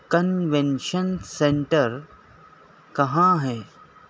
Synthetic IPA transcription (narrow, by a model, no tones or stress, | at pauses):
kənʋẽnʃənsẽɳʈəɾ | kɐɦãɦɛː